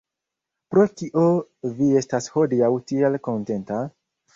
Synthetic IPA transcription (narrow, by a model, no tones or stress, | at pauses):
pɾo̞tiʔovie̞stasho̞diawtielko̞nte̞nta